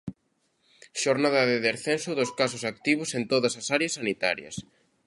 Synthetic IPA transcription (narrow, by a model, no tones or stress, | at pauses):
ʃoɾnaðɐðɪðeɾθensʊðʊskas̬ʊsak̚t̪iβ̞ʊsent̪oðɐsɐsaɾeɐsːanit̪a̰ɾjɐ̰s